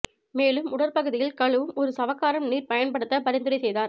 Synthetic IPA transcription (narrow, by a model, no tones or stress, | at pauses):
meːlɯmʊɽɐɾpɐɣɯðɪjɪlkɐɭɯʋɯmɔɾɯsɐʋɐkːaːɾɐmniːɾpɐjɐnpɐɽɯt̪ːɐpɐɾɪnd̪ɯɾɐsɛjðaːɾ